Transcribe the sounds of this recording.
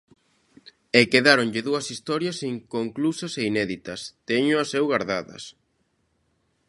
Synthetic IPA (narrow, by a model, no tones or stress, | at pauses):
ekeðaɾonʎɪðuɐsist̪ɔɾjɐsiŋkoŋklusɐseinɛðit̪ɐst̪ɛɲʊɐsɛwɣaɾða̰ðɐ̰s